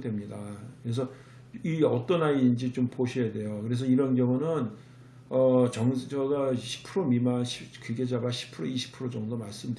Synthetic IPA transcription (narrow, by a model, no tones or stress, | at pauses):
dwe̞mɲidakɯɾe̞s̬ʰʌ | iʌt͈ʌnaind͡ʑit͡ɕompoɕʰijade̞jokɯɾe̞s̬ʰʌiɾʌnɡjʌŋunɯn | ʌt͡ɕʌŋʌɡaɕʰi̥pʰɯɾomimanɕʰikiɡed͡ʑabaɕʰi̥pʰɯɾoiɕʰi̥pʰɯɾod͡ʑʌŋdomaɭs͈ɯmd